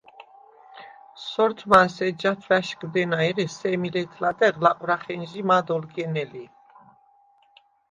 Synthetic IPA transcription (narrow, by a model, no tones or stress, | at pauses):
sɔɾt̪ʰmansɛd͡ʒat̪ʰvæʃɡd̪ɛnaɛɾɛsɛmilɛt̪ʰlad̪ɛʁlaqʼwɾaχɛnʒimad̪ɔlɡɛnɛli